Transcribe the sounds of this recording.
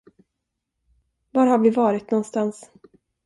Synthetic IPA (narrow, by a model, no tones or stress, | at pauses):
vaɾhaɾvɪvɑːɾɪt̪nɔnst̪ans